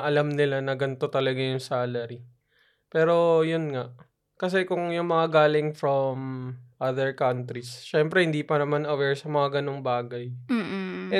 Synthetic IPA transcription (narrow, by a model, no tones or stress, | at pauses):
ʔɐlamnɪlanɐɡɐnt̪o̞t̪ɐlɐɡajʊŋsaːlɐɾi | pɛːɾo̞jʊnŋaʔ | kɐs̬ɛkʊŋjʊŋmɐŋaɡaːlɪŋfɹomʔaðɛɹkɐnt̪ɾisʃɛmpɾɛhɪnd̪iːpɐnɐmanɐwɛɹsɐmɐŋaɡɐnoŋbaːɡɐj̩ | ʔɛ